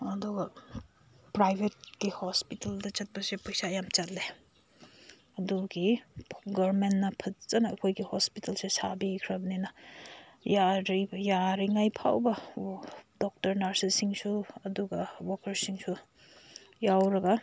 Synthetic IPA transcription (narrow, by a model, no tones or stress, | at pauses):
ɐduɡɐ | pɾajbʱet̚ɡihospitɐldɐt͡ʃɐt̚pɐsepɐjsajamt͡ʃɐlːe | ɐduɡiɡɐɾmenːɐpʰɐt͡ʃɐnɐɐkʰojɡihospitɐlsesabikʰɾɐbninɐ | jaɾijaɾiŋajpʰa̰wbɐ | dok̚tɐɾnaɾsisiŋsuɐduɡɐwokɐɾsiŋsu | jawɾɐɡɐ